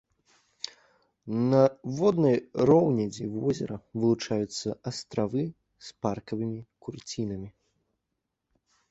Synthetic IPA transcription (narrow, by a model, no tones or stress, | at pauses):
nɐvɔd̪nɐjɾɔwnʲɛd͡zʲivɔzʲɛɾɐvɨlˠut͡ʂajut̪sːɐɐst̪ɾavɨ | sparkɐvɨmʲikurt͡sʲinɐmʲi